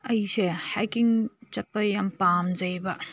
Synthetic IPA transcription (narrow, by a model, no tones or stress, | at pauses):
ɐjsehakiŋt͡ʃɐt̚pɐjampamzɐjbɐ